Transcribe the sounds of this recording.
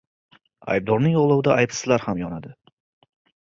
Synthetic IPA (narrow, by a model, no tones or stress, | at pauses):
a̰jb̚d̪ɒɾnɪŋjɒʁlˠawd̪aajpsɪzlaɾhamjɒnad̪ɪ